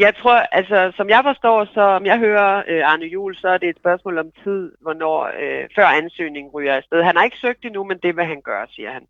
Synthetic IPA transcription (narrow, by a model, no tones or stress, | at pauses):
jɑ̈ɪt͡sʰʁo̝ɐ̰ʔælsɒsɒ̽mjɑ̈ɪfɒ̽sd̥ɒ̰ːsɒ̽ɒmjɑ̈ɪɦøːɐøɑ̈nəjṵːlsɒ̽æɐd̥e̝ːd̥spɶɐsmɔ̰ːlɒ̽mt͡sʰið̰ˠʋɒnɒ̰ːøfɶɐ̰ænsø̰ːne̝ŋŋ̩ʁyːɐed̥sd̥eð̞ˠɦænæɐe̝ɡ̥ə̥søɡ̥̚d̥inumend̥e̝ʋeɦænɡ̥ɶːɐsiːɐhæn